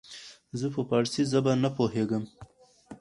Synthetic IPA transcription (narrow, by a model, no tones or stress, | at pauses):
zəpəpaɾsizəbanapoɦeɡəm